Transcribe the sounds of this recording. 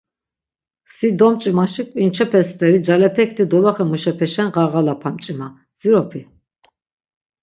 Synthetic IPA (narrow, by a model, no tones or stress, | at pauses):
sid̪ɔmt͡ʃʼimaʃikʼvʼint͡ʃʰɛpʰɛst̪ʼɛɾid͡ʒalɛpʰɛk̚t̪ʰid̪ɔvaχɛmuʃɛpʰɛʃɛnʁaɣalapʰamt͡ʃʼima | d͡ziɾɔpʰi